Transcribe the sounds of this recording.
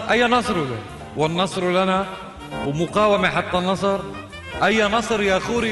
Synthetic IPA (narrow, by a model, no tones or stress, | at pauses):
ʔajːanɑsˤɾla̰ | wɪnːɑsˤɾlana | wɪmʊqaːwamaħɑt̪ˤːɑnɑsˤɑɾˤ | ʔajːanɑsˤɾjaxuːɾi